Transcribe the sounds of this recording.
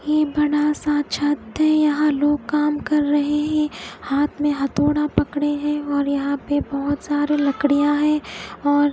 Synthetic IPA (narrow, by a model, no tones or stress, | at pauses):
jeːbɐɽasaːt͡ʃʰɐt̪ɦɛ̃jɐɦãloːɡ̚kaːmkɐɾːɐɦeɦɛ̃haːt̪ʰmẽɦɐt̪oːɽapɐkɽeɦɛ̃ɔːɾjɐɦãpebɐɦʊt̪saːɾelɐkɽijãɦɛ̃ːɔːɾ